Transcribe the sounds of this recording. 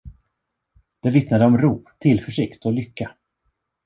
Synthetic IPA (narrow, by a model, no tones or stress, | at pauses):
d̪̥ɛvɪt̪nad̪əɔmɾuːpt̪ʰɪlfœʂɪkt̪ɔlʏkːa